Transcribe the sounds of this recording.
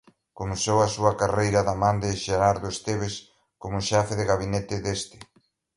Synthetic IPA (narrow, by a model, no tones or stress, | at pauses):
komosowɐsuɐkarejɾɐðamãnd̪ɪʃeɾaɾðoest̪eβes | komʊʃɛfɪðɪɣaβinet̪ɪðest̪ɪ̥